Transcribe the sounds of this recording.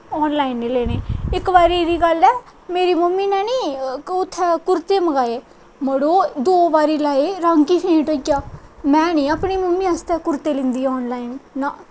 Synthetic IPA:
ɔːnlaːinːeːleːneːɪkbaːɾiːɾiːɡəlɛː | meːɾiːməmːiːnɛ̃ːniːʊt̪ʰːɛːkʊɾt̪eːməɡaːeː | məɽoːd̪oːbaːɾiːlaːeːɾãŋkiːpʰẽːʈoɡjaːmɛ̃ːnĩːəpɳiːməmːĩːəst̪ɛːkʊɾt̪eːlɪ̃nd̪iːɔːnlaːinːaː

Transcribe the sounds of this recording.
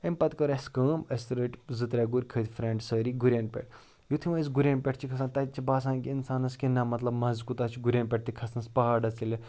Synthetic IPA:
empɐt̪kəɾɐskəːmɐst̪ɾəʈʲzɨt̪ɾʲaɡuɾʲkʰət̪ʰʲfɾeɳɖsəːɾiɡuɾʲenpʲḛʈʰ | jut̪ʰimɐis̬ɡuɾʲeːnpʲeʈʰt͡ʃʰikʰɐsaːnt̪ɐt̪t͡ʃʰibaːsãːnkiinsaːnɐskinamɐt̪lɐbmɐzkut̪at͡ʃʰiɡuɾʲɐːnʲpʲeʈ̚t̪ikʰɐsnɐspɐɦaːɖɐt͡silɐ

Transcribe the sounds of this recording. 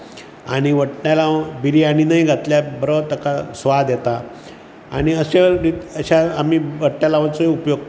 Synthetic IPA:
aɽ̃iʋəʈɳjalabiɾiːaɽ̃inaiɡʱat̪ljabəɾət̪əkasʋad̪jɛt̪a | a̰ɽ̃iəseiəɕaːmiʋəʈɳjalaʋət͡soɦiupjoɡ̚t̪

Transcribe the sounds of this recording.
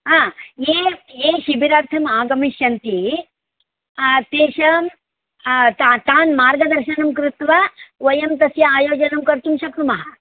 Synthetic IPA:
ɦãːjeːjeːʃibiɾaːɾt̪ʰɐmaːɡɐmiʃjɐnt̪i | t̪eːʃɐm | t̪at̪aːnmaːɾɡɐd̪ɐɾʃɐnɐmkɾɪt̪ʋɐʋɐjɐmt̪ɐsjɐaːjoːd͡ʒɐnɐmkɐɾt̪umʃɐkɾumɐɦɐ

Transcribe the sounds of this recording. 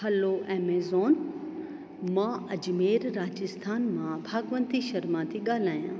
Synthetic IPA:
hɐloʔɛːmeːzoːn | mãɐd͡ʑmeːɾɾaːd͡ʑɪst̪ʰaːnmãbʱaːɡʋə̃nt̪iʃɐɾmãt̪ʰiɠaːl̤aːjã̰ː

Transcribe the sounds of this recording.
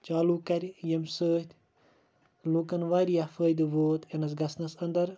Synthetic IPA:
t͡ʃaːluːkɐɾʲjɐmsəːt̪ʲʰ | loːkɐnʋaːɾʲjafəːjd̪ɨʋoːt̪enɐsɡɐsnɐsɐnd̪ɐɾ

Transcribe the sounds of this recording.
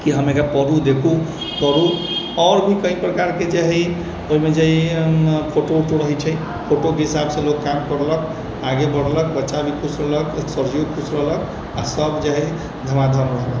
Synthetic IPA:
kiɦəmekapəɾud̪ekʰu | pəɾu | ɔɾbʱikəipɾəkaɾked͡ʒaɦi | oimed͡ʒaɦipʰoʈoʈoɾəɦɛt͡ʃʰɛ | pʰoʈokeɦisabsẽlokːamkəɾlək | aɡebəɽlək̚bətːʃabʱikʰusɾələksəɾd͡ʒijokʰusɾəɦlək | asəbd͡ʒaɦɛ | d̪ʱəmad̪ʱənɾəɦlək

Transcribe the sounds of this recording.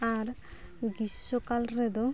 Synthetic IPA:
aɾ | ɡisokalɾed̪o

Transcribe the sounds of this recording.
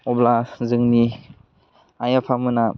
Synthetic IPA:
ɔblazɯŋni | ajapʰamɯna

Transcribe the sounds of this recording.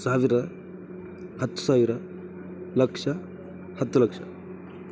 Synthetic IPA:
saːʋiɾɐ | hɐt̪ːu̥saːʋiɾɐ | lɐkʂɐ | hɐt̪ːulɐkʂɐ

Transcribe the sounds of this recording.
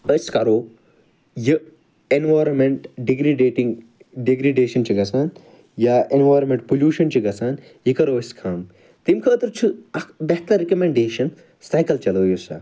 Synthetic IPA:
əskɐɾoː | ji | enʋaːjɾɐmeɳʈɖiɡɾiɖeːʈiŋ | ɖiɡɾiɖeːʃɐnt͡ʃʰiɡɐsaːn | jaenʋaːjɾmẽɳʈpuljuːʃɐnt͡ʃʰiɡɐsaːn | jikɐɾoːɐskʰaːm | t̪imkʰəːt̪ɨɾt͡ʃʰɨɐbeht̪ɐɾikɐmẽɳɖeːʃɐn | saːjkɐlt͡ʃɐloːjusa̰ː

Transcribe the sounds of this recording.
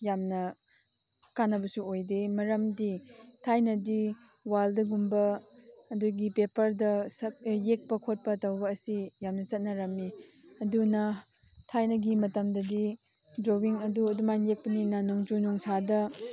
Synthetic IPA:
jamnɐ | kanːɐbɐsuojdemɐɾɐmditʰajnɐdi | waldɐɡumbɐː | duɡipepɐɾdɐsɐk̚jek̚pɐkʰot̚pɐtɐwbɐːsijamnɐt͡ʃɐt̚nɐɾɐmːiɐdunɐ | tʰajnɐɡimɐtɐmdɐdi | dɾowiŋɐduɐdumanjek̚pɐninanuŋd͡ʒunuŋsadɐ

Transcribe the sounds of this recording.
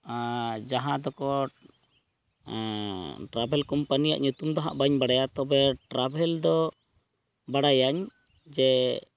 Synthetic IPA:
d͡ʒaɦãd̪ɔkɔ | ʈɾabʱɛlkɔmpanija̰ʔɲut̪umd̪ɔɦa̰ʔbaɲbaɽajat̪ɔbɛʈɾabʱɛld̪ɔ | baɽajaɲ | d͡ʒɛ

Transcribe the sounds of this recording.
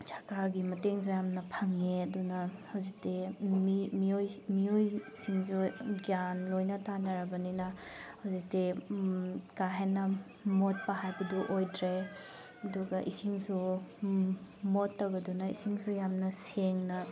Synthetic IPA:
t͡ʃʰḁkaɡimɐteŋs̬ujamnɐpʰɐŋeɐdunɐhɐwzik̚timimiojmijojsiŋsuɡjanlojnɐtanɐɾɐbɐninɐhawzik̚te | kaɦenɐ | mot̚pɐɦajbɐduʔojdɾe | ɐduɡɐʔisiŋsu | motːawɡɐdunɐḭsiŋsujamnɐseŋnɐ

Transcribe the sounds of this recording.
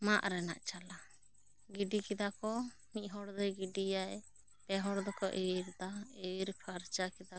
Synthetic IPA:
maʔɾɛna̰ʔt͡ʃala | ɡiɖikɛd̪akɔ | miʔ̚ɦɔɽd̪ɛɡiɖijaj | pɛɦɔɽd̪ɔkɔʔeɾd̪aeiɾpʰaɾt͡ʃakɛd̪a

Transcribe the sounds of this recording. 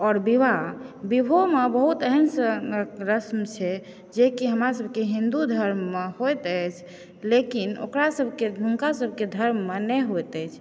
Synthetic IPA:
ɔːɾbibabibʱomebəɦut̪əɦənsəɾəsmt͡ʃʰɛ | d͡ʒekiɦəmɾasəbʱkeɦĩnd̪ud̪ʱəɾmːehojt̪ət͡ʃʰ | lekino̰kɾasəbʱkedʱuŋkasəbʱked̪ʱəɾmːenɛɦojt̪ɛt͡ʃʰ

